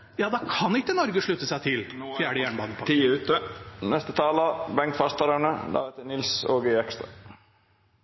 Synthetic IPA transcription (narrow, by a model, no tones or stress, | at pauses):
jɑːd̪ɑkʰɑnɪkːənɔɾɡəʂɭʉt̪ːəsæɪt̪ʰɪlfjæːɖəjæːɳəbɑːnəpʰɔt̪ʰiːʉːt̪ənɛst̪ət̪ʰɑːləbɛŋkfɑst̪ɑɾənəd̪ɑ̰ːɛt̪ənɪlsoːɡəɛkst̪ɾɑ